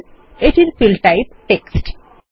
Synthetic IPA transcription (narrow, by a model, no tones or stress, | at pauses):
eʈiɾfilʈajp̚ʈeksʈ